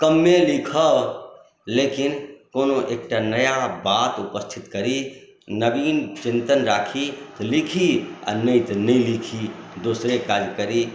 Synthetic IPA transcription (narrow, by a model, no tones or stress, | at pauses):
kəmːelikʰə | lekinkonoʔek̚ʈanəjabat̪upəst̪ʰit̪kəɾi | nəbiːnt͡ʃint̪ənɾakʰit̪ɔlikʰia̰nəjt̪nəjlikʰid̪osɾekad͡ʒkəɾi